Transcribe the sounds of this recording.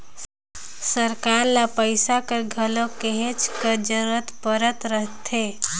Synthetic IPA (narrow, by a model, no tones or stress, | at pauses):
səɾkaːɾlapəɪsakeɡʱəlokeɦet͡ʃkəd͡ʒəɾət̪pəɾət̪ɾəɦt̪ʰe